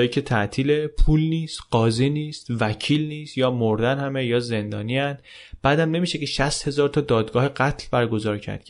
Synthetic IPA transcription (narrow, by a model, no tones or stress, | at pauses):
jicʰet̪ʰæʔt̪ʰiːlepʰuːlniːst̪ɢ̥ɒːziniːst̪væcʰiːlniːst̪jɒːmoɾd̪ænhæmejɒːze̞nd̪ɒːniænd̪ | b̥æːd̪æmne̞miːʃeceʃæst̪he̞zɒːɾt̪ʰɒːd̪ɒːd̪ɡɒːheɢæt̪ʰlbæɾɡo̞zɒːɾcʰæ̰ɾd̪̥kʰ